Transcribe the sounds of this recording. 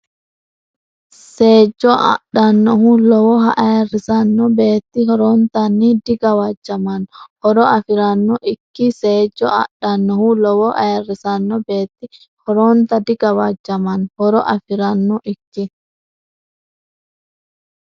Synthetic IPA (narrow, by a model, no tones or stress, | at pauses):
seːd͡ʒːɔʔɐ̰ɗɐnːɔhulɔwɔɦɐʔɐjrɪsɐnːɔbeːt̪ːɪhɔɾɔnt̪ɐnːid̪ɪɡɐwɐd͡ʒːɐmɐnhɔɾɔɐfɪɾɐnːɔʔɪkːɪseːd͡ʒːɔ̰ʔɐ̰ɗɐnːɔhulɔwɔʔɐjrɪsɐnːɔbe̞ːt̪ːɪ | hɔɾɔnt̪ɐd̪ɪɡɐwɐd͡ʒːɐmɐnhɔɾɔʔɐfɪɾɐnːɔʔɪkːɪ